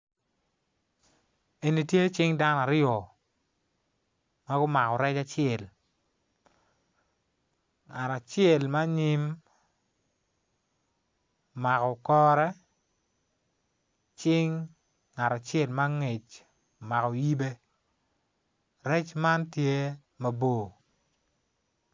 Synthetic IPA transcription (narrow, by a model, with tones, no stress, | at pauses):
e˨ni˨tje˦t͡ʃɪ˦ŋda˦n˨a˨ɾɪjɔ˨ | ma˦ɡʊ˦ma˨kɔ˨ɾɛ˦t͡ʃa˨t͡ʃɪɛ˨l | ŋa˨ɾa˨t͡ʃɪe˨lma˦ɲɪ˦m | ma˨kɔ˨kɔ˦ɾɛ˦ | t͡ʃɪ˦ŋː | a˨ɾa˨t͡ʃe˦˨lma˦ŋe˨t͡ʃ | ma˨kɔ˨ji˦be˦ | ɾɛ˦t͡ʃma˦ntje˦ | ma˦bo˦˨